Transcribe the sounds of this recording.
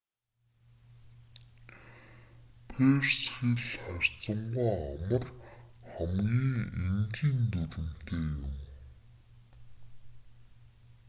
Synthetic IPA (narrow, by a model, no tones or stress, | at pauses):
pʰersxiɮχær̥ʲt͡sə̆ɴɢaːamə̆rχæmɡʲiːŋemɡiːnt̪uɾɘ̆m̥t̪eːjʊm